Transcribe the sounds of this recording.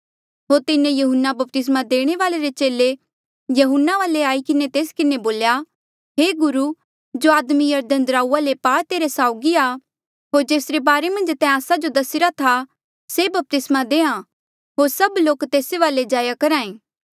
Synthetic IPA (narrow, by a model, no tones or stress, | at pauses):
ɦoːɾt̪ɪnẽjɐɦʊnːabɐp̚t̪ɪs̬mad̪eːɽ̃eʋaːleɾet͡ʃeːle | jɐɦʊnːaʋaːleaːikɪnet̪eːskɪneboːlja | ɦeːɡʊɾu | d͡ʒoaːd̪mijɐɾd̪ənd̪ɾaːuːalepaːt̪eːɾesaːʊɡia | ɦoːɾd͡ʒeːsɾebaːɾemɐ̃nd͡ʒt̪ɛ̃aːsad͡ʒod̪ɐsɪɾat̪ʰa | sebɐp̚t̪ɪsmad̪eːã | ɦoːɾsɐbloːkt̪eːseʋaːled͡ʒaːjakɐɾãːẽː